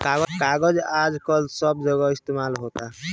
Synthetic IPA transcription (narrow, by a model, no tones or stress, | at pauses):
kaɡɔkaɡʌd͡ʒad͡ʒkʌlsʌbd͡ʒʌɡʌist̪emalɦot̪a